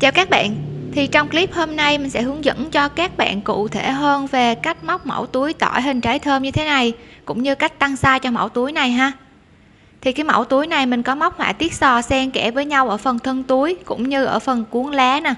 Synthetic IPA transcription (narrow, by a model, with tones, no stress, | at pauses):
t͡ɕaː˧˩wkaː˦˥k̚ɓa̰ː˧˨nt̪ʰi˨˩t͡ɕɔ˧wŋ͡mkli˦˥p̚hoː˧mna˧jmï˨˩ŋ̟sɛ̰˧˥hɨ˨˦əŋzə̰˧˥nt͡ɕɔ˧kaː˦˥k̚ɓa̰ː˧˨nkṵ˧˨t̪ʰe˧˩ɦəː˧nve˨˩ka˦˥jk̟̚ma˦˥wk͡p̚mə̰˧˩wt̪u˨˦əjt̪ɔ̰˧˩jɦï˨˩ŋ̟t͡ɕaː˨˦jt̪ʰəː˧mɲɨ˧t̪ʰe˨˦na˨˩jkʊ̰˧˥ŋ͡mɲɨ˧ka˦˥jk̟̚t̪a˧ŋsaː˧t͡ɕɔ˧ma̰˧˩wt̪u˨˦əjna˨˩jɦaː˧ | t̪ʰi˨˩kaː˨˦jma˧˩wt̪u˨˦jna˨˩jmï˨˩ŋ̟kɔ˨˦ma˦˥wk͡p̚hwa̰ː˧˨jt̪i˦˥ət̚sɔ˨˩sɛ˧mkɛ˧˩vəː˨˦jɲa˧wʔəː˧˩fə˨˩nt̪ʰə˧nt̪u˨˦əjkʊ̰˧˥ŋ͡mɲɨ˧ʔəː˧˩fə˨˩nku˨˦əŋlɛ˨˦na˨˩